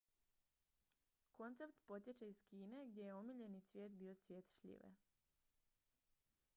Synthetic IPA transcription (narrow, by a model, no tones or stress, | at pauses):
ko̞nt̪se̞pt̪po̞t̪jet͡ɕeiz̥kiːne̞ɡd̪je̞jeomiʎe̞nit̪sʋje̞ːt̪biːo̞t̪sʋjeːt̪ʃʎḭʋḛ